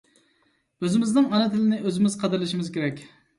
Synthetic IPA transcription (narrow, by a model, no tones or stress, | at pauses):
øzɪmɪznɪŋɑnɨt̪ʰɪlɪnɪʔøzɪmɪz̥qʰɑd̪ɪɾlɪʃɪmɪzkʲʰeɾɛkʲ